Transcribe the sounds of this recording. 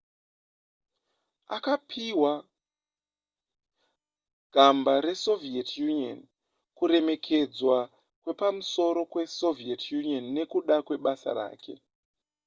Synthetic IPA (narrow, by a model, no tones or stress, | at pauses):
a̰kapʰiwa | ɡ̥ʱambaɾe̞so̞vietjunio̰n | kuɾe̞me̞kʰe̞d͡zwa | kwe̞pamuso̞ɾo̞kwe̞so̞vietʰjunionːe̞kuɗakwe̞ɓasa̰ɾa̰ːkʰe̞̰